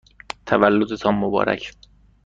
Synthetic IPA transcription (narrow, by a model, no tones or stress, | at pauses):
t̪ʰævælːod̪et̪ʰɒːmːobɒ̰ːɾæ̰cʰ